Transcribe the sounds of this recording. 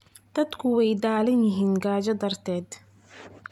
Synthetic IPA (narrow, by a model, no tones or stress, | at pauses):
d̪̥ɐd̪kʰʊwɛjd̪aːlɪnjɪɦiːnɡaːd͡ʒɐd̪ɐrt̪ʰɛːd̪